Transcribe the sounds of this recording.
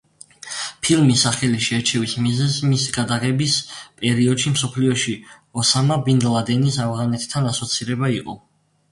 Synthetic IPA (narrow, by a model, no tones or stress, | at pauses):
pʰilmisːaχɛliʃɛɾt͡ʃʰɛvismizɛzmisiɡad̪aʁɛbispʼɛɾiɔd̪ʃimsɔpʰliɔʃi | ɔsamabind̪lˠad̪ɛnisavʁanɛt̪ʰt̪ʰːanasɔt̪sʰiɾɛbaiqʼɔ̰